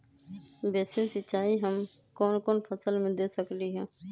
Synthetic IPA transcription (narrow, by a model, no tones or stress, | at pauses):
beːsɪ̃nsɪt͡ʃaːiɦəm | koːnkoːnpʰəsəlmẽd̪eːsəkliɦɛ̃ː